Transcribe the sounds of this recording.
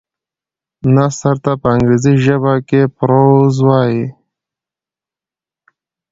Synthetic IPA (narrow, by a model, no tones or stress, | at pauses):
nasaɾt̪apəaŋɡɾeziʒəβakepɾozwɑːji